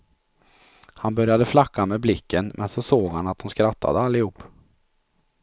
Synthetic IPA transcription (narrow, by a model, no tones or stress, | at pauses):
hanbœɾjad̪əflakːameːblɪkʰːənmʔɛ̰nsɔsoːɡhanat̪̚d̪ʊnskɾat̪ʰːa̰d̪əalːɪhuːpː